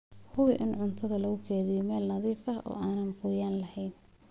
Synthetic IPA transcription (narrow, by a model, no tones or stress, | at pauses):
hʊwɪʔɪnʕʊnt̪ʰɐðɐlɐɣʊkʰɛːðɪjɔmɛːlnɐðiːfɐɦɔ̰ːʔaːnɐnqʊːjaːnlɐhɛjn